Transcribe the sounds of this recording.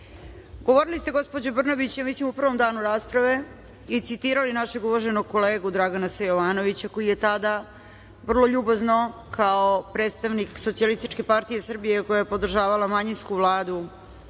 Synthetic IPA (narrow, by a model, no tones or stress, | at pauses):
ɡo̞ʋo̞ɾilist̪e̞ɡo̞spod͡ʑobr̩noʋit͡ɕjamislimupr̩ʋo̞md̪aːnuɾaːspɾaʋe̞ | it̪sit̪iːɾalinaʃeɡuʋoʒenoɡ̚ko̞le̞ːɡud̪ɾaɡanasejoʋaːnoʋit͡ɕako̞jijet̪ad̪a | ʋr̩lˠo̞ʎubazno̞kʰaopɾet̪st̪aʋnikso̞t̪sialist̪it͡ʃke̞paɾt̪ije̞sr̩bijekojajepo̞d̪r̩ʒaːʋalˠamaɲinskuʋlˠaːd̪u